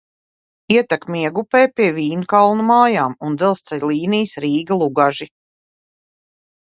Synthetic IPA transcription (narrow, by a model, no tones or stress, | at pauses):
iɛt̪akmiɛɡupɛːpʲiɛviːnukalˠnumaːjaːmund̪zɛlˠst̪sɛlʲlˠiːniːjsɾiːɡɐlˠuɡaʒi